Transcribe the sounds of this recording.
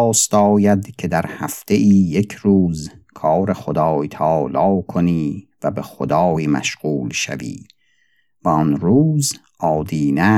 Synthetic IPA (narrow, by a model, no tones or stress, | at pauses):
st̪ɒːjæd̪kʰe̞d̪æɾhæft̪eʔiːjekʰɾuːzkʰɑːɾeχod̪ɑːjt̪ʰɒːlɒːkʰoniːvæbexod̪ɑːjmæ̰ʃɣ̥uːlʃæ̰vḭː | væɔnɾuːzʔɒːd̪iːnæ